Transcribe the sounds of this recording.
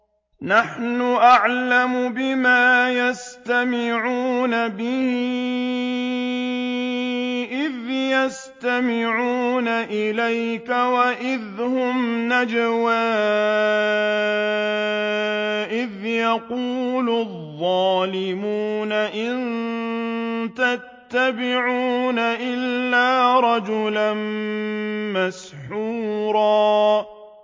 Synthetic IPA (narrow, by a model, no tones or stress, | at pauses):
naħnʊʔaʕlamʊbɪmaːjast̪amɪʕuːnabɪhɪ | ʔɪðjas | t̪amɪʕuːnaʔɪlajkawaʔɪðhʊmnad͡ʒawaː | ʔɪðjɑquːlʊðˤːɑːlɪmuːnaʔɪn | t̪at̪ːabɪʕuːnaʔɪlːaːɾˤɑd͡ʒʊlan | masħuːɾˤɑː